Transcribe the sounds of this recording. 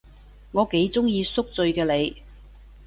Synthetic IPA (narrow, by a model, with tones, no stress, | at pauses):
ŋɔː˨˧ke˨˥jt͡sʊ˥ŋjiː˧sʊ˥k̚t͡sɵ˧ɥkɛː˧le˨˧j